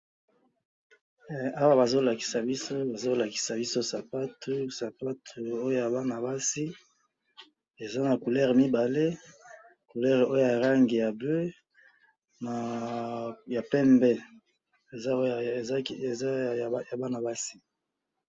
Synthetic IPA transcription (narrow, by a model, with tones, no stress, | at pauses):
ɛ˨a˦wa˦ba˨zo˦la˨ki̥˨sa˨bi˦so˦ba˨zo˦la˨ki̥˨sa˨bi˦so˦sa˨pa˦tʰu˦sa˨pa˦tʰu˨o˦jo˦ja˨ba˦na˨ba˦si˦ | e˨za˦na˨ku˨lɛ˦ʁmi˦ba˨le˦ | ku˨lɛ˦ʁo˦jo˨ja˨ʁa˦ŋɡe˨ja˨blø˦ | na˨ | ja˨pɛ˦mbɛ˦ | e˨za˦˨˦e˨za˦˨˦ja˨ba˦na˨ba˦si˦